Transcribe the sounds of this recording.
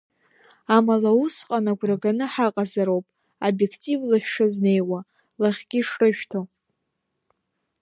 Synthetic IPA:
amalausqʼanaɡʷraɡanɨħaqʼazaɾowpʼ | abje̞kʰtʼivlaʃʷᶣʂazne̞jwa | laχʲɡʲiʂrɨʃᶣtʰo

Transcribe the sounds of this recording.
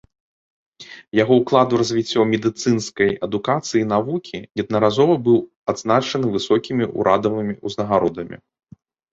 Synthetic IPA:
jaɣɔwklˠad̪uɾɐzʲvʲit͡sʲːɔmʲɛd̪ɨt̪sɨnskɐjɐd̪ukat̪sɨjinavukʲʰijɐd̪̚nɐɾazɔvɐbɨw | ad̪znat͡ʂɐnɨvɨsɔkʲimʲiʔṵɾʔad̪ɐvɨmʲiuznɐɣaɾɔd̪ɐmʲḭ

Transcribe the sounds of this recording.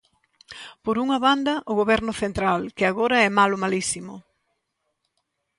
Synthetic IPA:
poɾuŋɐβand̪ɐʔʊɣoβɛɾnʊθent̪ɾalkɪaɣoɾɐɛmalʊmalisimʊ

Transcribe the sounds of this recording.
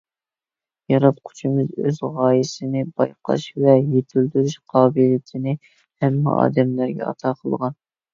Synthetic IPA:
jɑɾɑp̚qʰʊ̥t͡ʃʰɪmɨzøzʁɑːjɪsɪnɪbɑjqʰɑ̰ʃvɛjet̪ʰyld̪yɾyʃqʰɑːbɨljit̪ʰɪnɪ | hɛmːɪ̰ʔɑ̰ːd̪ɛmlæɾɡʲɛ̰ɑ̰t̪ʰɑːqʰəlˠʁɑn

